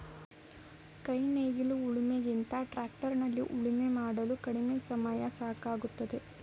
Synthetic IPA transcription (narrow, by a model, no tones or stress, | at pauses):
kɐjneːɡiluuɭimeɡint̪ɐʈɾaːk̚ʈɐɾnɐlːiʔuɭimemaːɽɐlukɐɽimesɐmaːjasaːkaːɡut̪ːɐd̪e̞